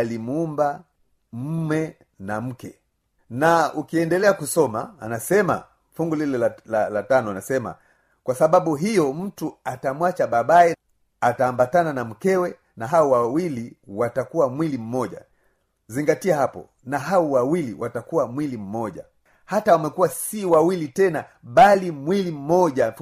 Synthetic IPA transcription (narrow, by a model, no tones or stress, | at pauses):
alimuumba | m̩mɛ | nam̩kɛ | naukiɛndɛlɛakusɔmaanasɛma̰ | fuŋɡulilɛllalatanɔanasɛma̰ | kwasaɓaɓuɦijɔm̩tuatamwat͡ʃaɓaɓaɛ | ataːmbatananam̩kɛwɛ | naɦaɔwawiliwatakuwamwilim̩mɔʄa̰ | ziŋɡatiahapɔ̰ | naɦaɔwawiliwʔatakuwamwilim̩mɔʄa̰ | hatawamɛkuwasiwawilitɛna | ɓalimwilim̩mɔʄa